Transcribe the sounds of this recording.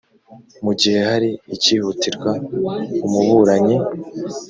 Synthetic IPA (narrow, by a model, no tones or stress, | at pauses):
muɟihe̞haɾiːciːhutiɾɡwaumuβuɾaɲe